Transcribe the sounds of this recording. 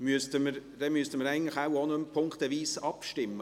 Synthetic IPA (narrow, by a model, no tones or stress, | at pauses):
myəstəməɾd̥ɛmyəstəməɾæɪɡən̩tləχawɔnəmpʰʊŋkχtəviːsɑpʃtɪmːə